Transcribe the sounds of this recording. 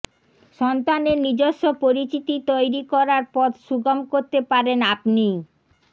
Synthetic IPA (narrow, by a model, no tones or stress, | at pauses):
ʃɔnt̪aneɾnid͡ʑoʃːopoɾit͡ɕit̪it̪ojɾikɔɾaɾpɔd̪ʃuɡamkoɾt̪epaɾenapni